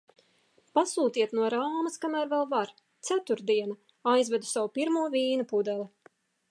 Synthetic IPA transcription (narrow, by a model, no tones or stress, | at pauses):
pasuːt̪iɛt̪nuɔɾaːmɐskamæːɾvɛlˠvaɾ | t̪sæt̪uɾd̪iɛna | ajzvɛd̪u̥sawupiɾmuɔvʲiːnupud̪ɛli